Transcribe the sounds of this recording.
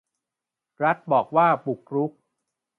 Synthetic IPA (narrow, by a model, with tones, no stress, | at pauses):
ɾa˦˥t̪̚bɔː˨˩k̚waː˥˩bu˨˩k̚ɾu˦˥k̚